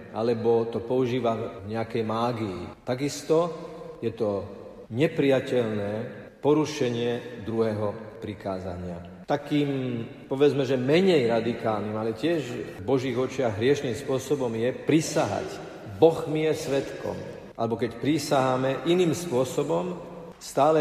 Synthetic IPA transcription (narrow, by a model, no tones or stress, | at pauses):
ʔa̰lɛbɔt̪ɔpɔuʒiːʋamvɲɛakɛjmaːɡiːt̪aɡist̪ɔjɛt̪ɔ | ɲɛpɾijacɛʎnɛː | pɔɾuʃɛɲɪɛd̪ɾuɦɛɦɔpɾikaːza̰ɲɪa̰ | t̪akiːmpɔʋɛd͡zmɛʒɛmɛɲɛjɾad̪ikaːlnimalɛcɪɛʒbɔʒiːɣɔt͡ʃɪaɣɦɾɪɛʃniːmspʊɔsɔbɔmjɛpɾisaɦa̰c | bɔɣmijɛsʋɛt̪kɔ̰m | ʔalɛbɔkɛcpɾisaɦamɛʔiniːmspʊɔsɔbɔm | st̪aːlɛ